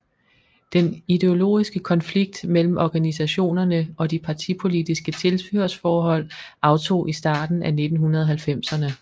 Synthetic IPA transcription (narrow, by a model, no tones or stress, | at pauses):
d̥enide̝o̝lo̝̰ːisɡ̥əkʰɒ̽nfliɡ̥̚d̥mel̰m̩ʔɒɡ̥ænisæɕo̝̰ːnɐnəʔɒ̽d̥ipʰɑ̈t͡sʰipʰo̝lid̥isɡ̥ət͡sʰe̝lsb̥yɐsfɒːɦɒ̽l̰ʔɑ̈ʊt͡sʰo̝̰ːʔisd̥ɑ̈ːd̥n̩ʔæne̝d̥n̩ɦunɐðˠɦælfem̰sɐnə